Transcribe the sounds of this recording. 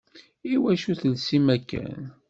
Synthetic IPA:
iwæʃuθəlsimækːæ̰n

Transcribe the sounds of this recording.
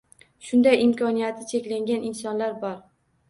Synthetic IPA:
ʃʊnd̪ajɪmkʰɒnijat̪ʰɪt͡ʃʰe̞kʲlaŋɡʲanɪnsɒnlaɾbɒɾ

